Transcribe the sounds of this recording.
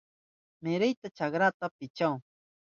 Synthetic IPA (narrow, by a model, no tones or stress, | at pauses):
meɾɪjt̪at͡ʃakɾat̪apɪt͡ʃaw